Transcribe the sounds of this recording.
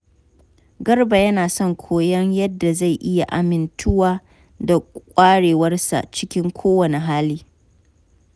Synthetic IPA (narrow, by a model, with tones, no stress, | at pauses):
ɡɐ˦rba˨jɐ˦naː˨sɔ˦ŋkʷʰoː˦jɐ˦ɲjɐ˦dːa˨za˦˨jʔɪ˦ja˨ʔa˨mɪ˦ntʰʊ˦waː˦ | da˨kʷʼaː˦ɽeː˨wɐ˦rsa̰˨t͡ʃɪ˦kʲɪ˦ŋkʷʰoː˦wɐ˨ne˨ɦaː˦liː˦